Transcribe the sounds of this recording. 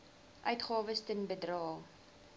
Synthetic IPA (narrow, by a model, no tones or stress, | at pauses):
ʔœɥtχɑːvəstənbədrɑːlˠ